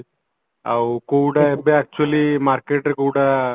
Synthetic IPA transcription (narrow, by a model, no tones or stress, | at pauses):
awkuːɖaebeaːk̚t͡ʃuɐlimaːɾkeʈɾkuːɽa